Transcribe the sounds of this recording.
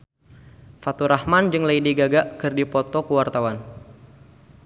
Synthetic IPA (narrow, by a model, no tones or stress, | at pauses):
fat̪uɾahmand͡ʒɨŋlaidiɡaɡaʔkɨrdipɔt̪ɔkuwart̪awan